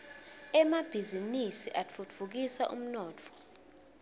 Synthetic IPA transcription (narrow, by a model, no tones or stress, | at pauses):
ɛmab̥ʱizinisiʔat͡fʰut͡fʰuk̬isaʔṵm̩nɔːt͡fʰɔ̥